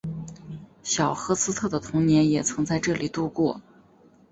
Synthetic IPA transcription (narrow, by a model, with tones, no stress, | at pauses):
ɕjɑ˨˩ʊxɤ˧˥sɹ̩˥t̪ʰɤ˥˩d̪ə˩t̪ʰʊ˧˥ŋnjɛ˧˥njɛ˨˩t͡sʰɤ˧˥ŋt͡sa˥˧ɪʈ͡ʂɤ˥˩li˨˩t̪u˥˧kwɔ˥˩